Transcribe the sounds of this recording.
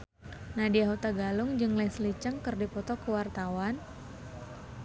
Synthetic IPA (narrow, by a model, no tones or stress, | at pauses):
nadiaɦut̪aɡalʊŋd͡ʒɨŋlaislit͡ʃaŋkɨrdipɔt̪ɔkəwart̪awan